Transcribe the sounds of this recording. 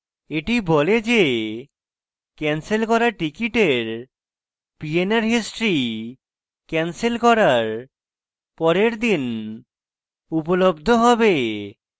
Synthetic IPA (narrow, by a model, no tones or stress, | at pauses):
eʈiboled͡ʑe | kɛnselkɔɾaɾʈikiʈeɾ | pienaɾɦisʈɾi | kɛnselkɔɾaɾ | pɔɾeɾd̪in | upolobd̪ʱoɦɔbe